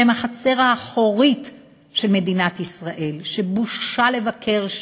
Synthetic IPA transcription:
emaχat͡se̞ʁaːχoʁit | ʃe̞lme̞dinat̪isʁaʔe̞lʃe̞buʃʃale̞vakʰe̞ʁ

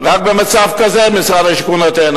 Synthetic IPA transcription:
ʁak̚bemat͡safkazemisʁad̪aʃkunat̪en

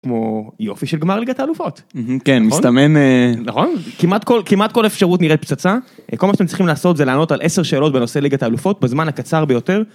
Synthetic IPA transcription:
kmo̞jo̞fiʃelɡmaʁliɡataːlufo̞t̪m̩kenmist̪amenenaχo̞nkimat̪ko̞lkimat̪̚ko̞lefʃaʁutniʁet̪̚pt͡sat͡sako̞lmaʃatemnt͡sʁiχimlaːso̞tzelaːno̞talʔeseʁʃeːlo̞t̚beno̞se̞liɡataːlufo̞t̪̚bezmanhakat͡saʁbejo̞te̞ʁ

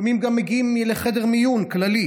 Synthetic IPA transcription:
mimɡamːeɡiimleχedeʁmijunklali

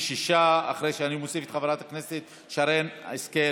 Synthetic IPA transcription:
ʃiʃaa̰χɾejʃeanimosifet̪χavalat̪akneset̪ | ʃaɾen̰eske

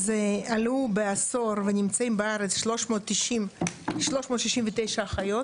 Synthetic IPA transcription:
zealubeaso̞ɾvenʲimt͡saimbeaɾet͡sʃloʃmoːt̪ːiʃimʃlo̞ʃmoːt̪ʃiʃimvet̪ejʃaːχajot

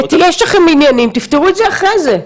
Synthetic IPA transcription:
t̪ijeʃlaχeminjanimt̪ift̪eʁuet̪zeaχʁeze

